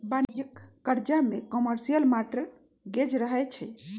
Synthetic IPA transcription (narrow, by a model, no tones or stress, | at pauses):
band͡ʒəkːəɾd͡ʒamekɔməɾsijəlmaʈəɾ | ɡed͡ʒɾəɦɛt͡ʃʰəj